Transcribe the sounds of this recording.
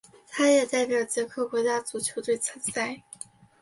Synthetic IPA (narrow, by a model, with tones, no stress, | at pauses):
t̪ʰa˥jɛ˨˩t͡sa˥˧ɪpjɑ˨˩ʊt͡ɕjɛ˧˥kʰɤ˥˩kwɔ˧˥t͡ɕja˥t͡su˨˩t͡ɕʰjo˧˥ʊt̪we˥˩ɪt͡sʰə˧˥nt͡sa˥˩ɪ